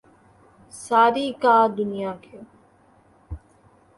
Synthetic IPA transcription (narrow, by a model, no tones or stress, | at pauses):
saːɾiːkaːd̪ʊnɪjaːkʰeː